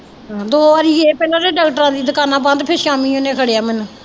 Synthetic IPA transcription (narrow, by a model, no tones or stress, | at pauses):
ɦãːd̪oːaːɾiːeːpɛːlãːɾeːɖɛːkʈəɾãːd̪iːd̪əkaːnãːbə̃nd̪pʰɪɾʃaːmĩːoːnẽːkʰəɽeːaːmɛn